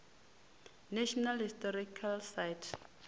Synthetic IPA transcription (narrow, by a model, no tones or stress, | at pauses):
nɛʃɔnalhistɔɾikʰalsajtʰ